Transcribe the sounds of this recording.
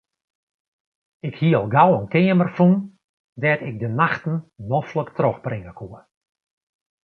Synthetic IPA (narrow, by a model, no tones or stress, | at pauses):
ɪkhiəɔlˠɡawənkɪəmərfun | dɛtɪɡ̚dənaxtn̩nɔfləktroxbrɪŋəkʰuə